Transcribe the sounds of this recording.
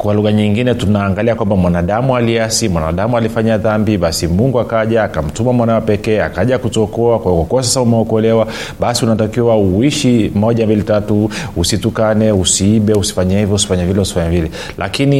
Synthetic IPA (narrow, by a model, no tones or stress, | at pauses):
kwaluɣaɲiŋɡinɛtunaːŋɡaliakwambamwanaɗamualiasimwana̰ɗamualifaɲaðambiɓasimuŋɡuakaʄaːkam̩tumamwanawɛpɛkɛːakaʄakutɔkɔakwahikakuwas̬asaumɛɔkɔlɛwa | ɓasiunatakiwauiʃimɔʄambilitatuusitukanɛusiiɓɛusi̥faɲahivjɔusi̥faɲavilɛusi̥faɲavilɛ | lʔa̰kini